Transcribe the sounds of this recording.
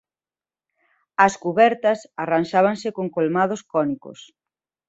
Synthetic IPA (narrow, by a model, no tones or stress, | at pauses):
ɐskuβɛɾt̪ɐsaranʃaβ̞aŋsɪkoŋkolmað̞oskɔniko̰s